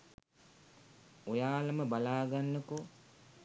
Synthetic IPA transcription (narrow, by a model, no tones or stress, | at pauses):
ojaːləməbalaːɡanːəko